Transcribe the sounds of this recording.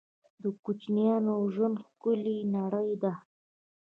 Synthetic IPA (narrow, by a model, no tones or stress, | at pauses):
d̪əkut͡ʃnijɑnoʒənxkʊlinaɽəjd̪a